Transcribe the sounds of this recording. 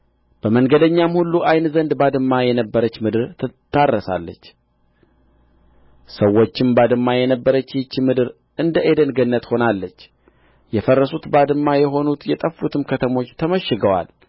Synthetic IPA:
b̥əməŋɡəd̪əɲːamhulːuʔajnzənd̪bad̪ɨmːajɛnəbːəɾət͡ʃːmɨd̪ɨɾt̪ʰɨt̪ʰːarːəsa̰lːə̰t͡ʃː | səwːo̞t͡ʃːɪmbad̪ɨmːajɛnəbːəɾət͡ʃːɪt͡ʃːmɨd̪ɨɾ | ɨnd̪əʔed̪ənɡənːət̪ho̞nalːət͡ʃː | jɛfərːəsut̪bad̪ɨmːajɛɦo̞nut̪jɛt̪ʼəfːut̪ʰɨmkʰət̪ʰəmo̞t͡ʃːt̪ʰəməʃːɪɡəwa̰l

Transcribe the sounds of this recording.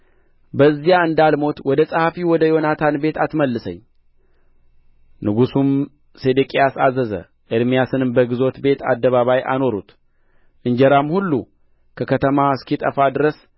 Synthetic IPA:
bəzːijaɨnd̪almo̞t̪wɔd̪əsʼəhafiwɔd̪əjo̞nat̪ʰanbe̞t̪ʰat̪məlːɨsəɲː | nɨɡusum | se̞d̪ɨkʼijasazəzə̰ | ʔɨɾmijasɨnɨmbəɡɨzo̞t̪be̞t̪ʰa̰d̪ːəβaβajʔa̰no̞ɾṵt̪ | ʔɨɲd͡ʒəɾamhulːu | kʰəkʰət̪ʰəmaskit̪ʼəfad̪ɨɾəs

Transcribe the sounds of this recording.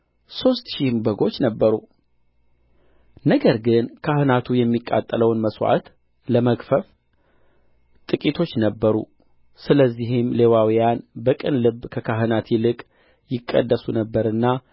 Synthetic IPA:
so̞st̪ʃihmbəɡo̞t͡ʃːnəbːəɾu | nəɡəɾɡɨnkʰahɨnat̪ʰujɛmːikʼa̰t̪ʼːələwnməswa̰t̪ | ləməkfəf | t̪ʼɨkʼit̪ʰo̞t͡ʃːnəbːəɾṵ | sɨləzːiɦɪmle̞wawijanbəkʼɨnlɨbːkʰəkʰaɦɨnat̪jɪlɨkʼ | jɪkʼːə̰d̪ːəsunəbːəɾɨnːa

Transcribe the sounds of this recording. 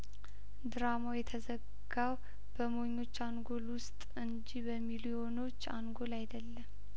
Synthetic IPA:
d̪ɨɾamojɛt̪ʰəzəɡ | ɡaw | b̥əmo̞ɲːo̞t͡ʃːaŋɡo̞lwʊst̪ʼɨɲd͡ʒibəmiliɛ̞o̞no̞t͡ʃːa̰ŋɡo̞lajd̪əlːəm

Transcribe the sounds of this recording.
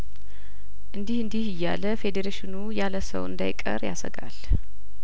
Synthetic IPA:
ʔɨnd̪ihɨnd̪ihɪjːa̰ləfed̪eɾeʃɪnujaləsə̰wɨ̰nd̪ajkʼə̰ɾjasə̰ɡa̰l

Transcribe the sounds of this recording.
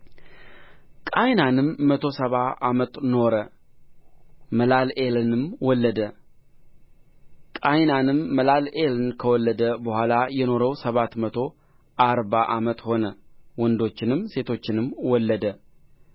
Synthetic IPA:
kʼajnanɨmːət̪ʰo̞səβaamət̪ʼno̞ɾə | məlalelnɨmwɔlːəd̪ə | kʼajnanɨmːəlalelnkʰəwɔlːəd̪əbəhʷalajɛno̞ɾəwsəβat̪mət̪ʰo̞ | ʔaɾβaʔamət̪ʼho̞nəwɔnd̪o̞t͡ʃːɪnɨmse̞t̪ʰo̞t͡ʃːɪnɨmwɔlːəd̪ə

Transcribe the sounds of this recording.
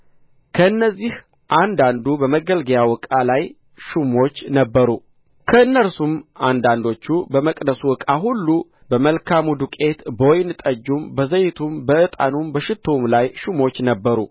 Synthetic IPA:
kʰəɨnːəzːih | ʔand̪and̪ubəməɡəlɡəjawɔkʼalaj | ʃumo̞t͡ʃːnəbːəɾu | kʰəɨnːəɾsumand̪and̪o̞t͡ʃːubəməkʼd̪əsuwɔkʼaɦulːu | bəməlkʰamud̪ukʼe̞t̪bojnɨt̪ʼəd͡ʒːumbəzəjt̪ʰumbəʔɨt̪ʼa̰numbəʃɪt̪ʰːomlajʃumo̞t͡ʃːnəbːəɾu

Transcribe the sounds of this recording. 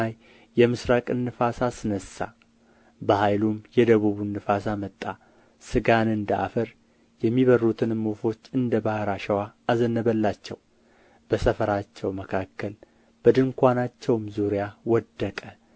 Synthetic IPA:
aj | jɛmɨsɾakʼɨnːɨfasasɨnəsa̰ | bəhajlumjɛd̪əβuβunːɨfasamət̪ʼːa | sɨɡanɨnd̪əa̰fəɾ | jɛmːiβərːut̪ʰɨnmːofo̞t͡ʃːɨnd̪əbahɾaʃɛwaːzənːəβəlːat͡ʃːɛw | b̥əsəfəɾat͡ʃːɛwməkʰakːəl | b̥əd̪ɨŋkʷanat͡ʃːɛwmzuɾjawɔd̪ːəkʼə

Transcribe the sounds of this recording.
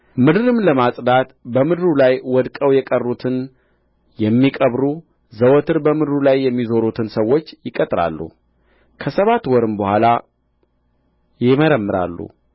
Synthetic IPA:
mɨd̪ɨɾɨmləmasʼd̪at̪bəmɨd̪ɾulajwɔd̪kʼəwjɛkʼərːut̪ʰɨn | jɛmːikʼəβɾu | zəwɔt̪ʰɨɾbəmɨd̪ɨɾulajːɛmːizo̞ɾut̪ʰɨnsəwːo̞t͡ʃːjɪkʼət̪ʼɾa̰lːṵ | kʰəsəβat̪wɔɾɨmbəhʷala | jɪməɾəmːɨɾa̰lːṵ

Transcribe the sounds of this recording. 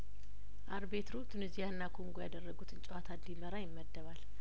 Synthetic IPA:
ʔaɾbe̞t̪ɾut̪ʰɨnɨzijanːakʰoŋɡojad̪ərːəɡut̪ʰɨnt͡ʃʼəwat̪ʰad̪d̪iməɾajɪmːəd̪ːəβal

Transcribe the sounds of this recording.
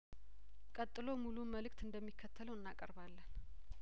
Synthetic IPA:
kʼət̪ʼːɨlo̞muluməlɨk̚t̪ɨnd̪əmːikʰːət̪ʰːələwɨnːakʼəɾβalːən

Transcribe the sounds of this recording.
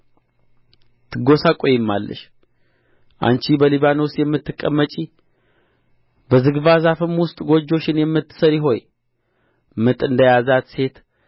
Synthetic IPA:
t̪ʰɨɡo̞sakʼojɪmːa̰lːə̰ʃ | ʔa̰nt͡ʃibəliβanowsjɛmːɨt̪ːɨkʼːəmːət͡ʃʼi | bəzɨɡβazafɨmwʊst̪ʼɡo̞d͡ʒːo̞t͡ʃːɪnjɛmːɨt̪ːɨ̥səɾjɪɦo̞j | mɨt̪ʼɨnd̪əjazat̪se̞t̪

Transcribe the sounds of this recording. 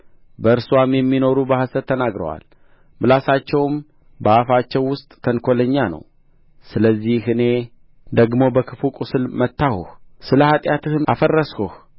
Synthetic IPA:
bəɨɾswamjɛmːino̞ɾubəhasət̪ʰːənaɡɾə̰wa̰l | bɨlasat͡ʃːɛwm | bəafat͡ʃːɛwːʊst̪ʼt̪ʰənkʰo̞ləɲːanə̰w | sɨləzːihɨne̞ | d̪əɡmo̞bəkʰɨfukʼusɨlmət̪ːahuhsɨləhat̪ʼjat̪ɨhʔafərːəshuh

